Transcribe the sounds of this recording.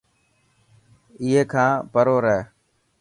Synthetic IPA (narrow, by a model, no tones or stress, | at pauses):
ɪɦeːkʰãːpəɾoːɾəeː